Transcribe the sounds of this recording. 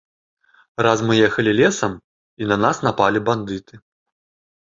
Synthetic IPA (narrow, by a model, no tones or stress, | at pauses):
razmɨjɛxɐlʲilʲɛsɐm | inɐnasnapalʲiband̪ɨt̪ɨ